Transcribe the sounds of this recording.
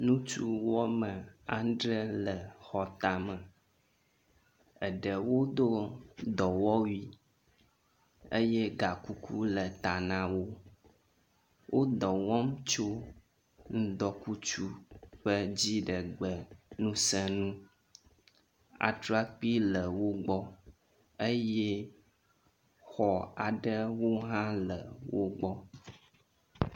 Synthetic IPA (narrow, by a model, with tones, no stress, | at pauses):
nũ˦t͡ʃu˦wɔ˦mə˨a˦nɖɾə˦lə˨xɔ˨t̪a˨mə̃˨ | ə˨ɖə˨wo˦d̪o˦d̪ɔ˨wɔ˦wi˦ | e˦jɛ˦ɡa˨ku˦kʰu˦lə˨t̪a˨nã˨wo˦ | wʔo˦d̪ɔ˨wɔ̃˦mt͡ʃo˦ | ŋ̩̃˦d̪ɔ˨ku˦t͡ʃu˦ɸə˦d͡ʑi˦ɖə˨ɡ͡bə˨nũ˦sə˦nũ˦ | a̰˨tɾa˦k͡pi˦lə˨wo˦ɡ͡bɔ˦ | ə˦jɛ˦ | xɔ˨a˨ɖə˦wo˦ɦã˦lə˨wo˦ɡ͡bɔ˦